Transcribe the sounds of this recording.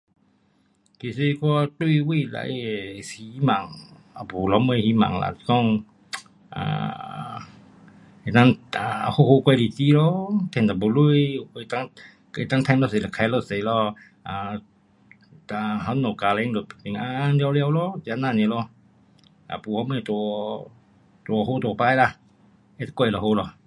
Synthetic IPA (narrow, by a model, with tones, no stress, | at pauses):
t̪i˧˨se˧kɔ˧t̪u˧˨wi˧˨la̰˧˨jsi˨˦ma̰˨ŋ | a˨pu˨lɔ˧˦mə˧jhi˧˦ma̰˧˨ŋla̰˧˨t̪kɔ˧˨ŋ | a̰˨ | e˨na˧ŋa˨˧ho˧ho˧kwa˧jdi˨ti˧˦lɔ˦t̪ʰɛ˧nt̪a˨bo˨lu˧˨jkːt̪a˧ŋ | kt̪a˧ŋt̪ʰa˧nlɔ˧se˨la˨˩kʰa˧˩jlɔ˧se˨lɔ˧ | ʔa˨ | ta˧ɦa˧˦nɔ˨ka˨˧lɛ˧˦ŋdo˨˩pti˨ŋʔa˧nli˧wlɛ˧wlɔ˧˦ta˧na˧˨nɛ˧˨lɔ˧ | ʔa̰˨pu˨ha˧˦mə˧˨t̪u˧ | t̪u˧ɔ˧ho˧˦t̪u˧˨paː˧jla˧˨ | e˧˦t̪a˧kwɔ˧˩˨lɔ˧˨ho˧˦lɔ˧˨